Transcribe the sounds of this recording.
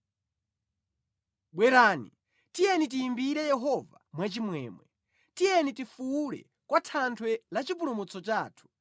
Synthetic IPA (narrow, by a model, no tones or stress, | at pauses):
ɓwɛɾaːni | tijɛnit̬iːmbiɾɛjɛɦɔvamwat͡ʃimwɛ̰ːmwɛ | tijɛnitifuuɾɛ̰ | kwatʰantʰwɛlat͡ʃipulumut͡sɔt͡ʃaːtʰu̥